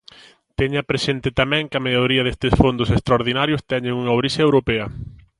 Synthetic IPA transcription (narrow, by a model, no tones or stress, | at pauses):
t̪eɲɐpɾesent̪ɪt̪amɛ̃ŋkɐmeʎoɾiɐðest̪ɪsfond̪ʊsest̪ɾaoɾðinaɾjost̪ɛɲɪŋuŋɐowɾiseɐewɾopɛɐ